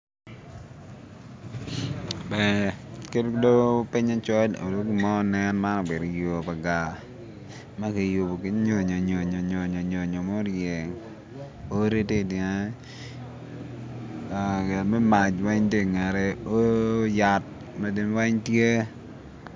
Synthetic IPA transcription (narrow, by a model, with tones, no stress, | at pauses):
bɛ˨ke˦ddo˦pɪ˦ɲa˦t͡ʃɔ˦lo̰˨do˦ki˦mɔ˦˨nɛ˦nma˦nɔ˨be˨ɾo˨jo˨pa˨ɡa˨ | ma˦ke˨jʊ˨bo˨ke˦ɲo˨ɲo˨ɲo˨ɲo˨ɲo˨ɲo˨ɲo˨ɲo˨mo˦ɾjɛ˨ŋ | o˦ɾe˦te˦˨dn˦ | a˨ɡɛ˨lmɛ˦ma˨t͡ʃwɛ˦ɲte˦˨ŋɛ˨ɾɛ˦o˦ja˨t̚ | ma˦di˨n˦wa˦ɲtje˦